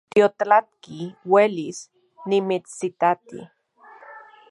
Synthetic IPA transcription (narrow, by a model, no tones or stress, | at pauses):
t̪iot̪lat̪̚kiwelis | nimit͡ssit̪at̪ḭ